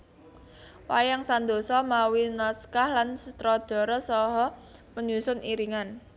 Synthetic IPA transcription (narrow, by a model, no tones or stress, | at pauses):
wajaŋsand̪osɔmawinɔskahlansət̪ɾɔd̪̥ɔ̤ɾɔsɔɦɔpəɲusʊniɾiŋan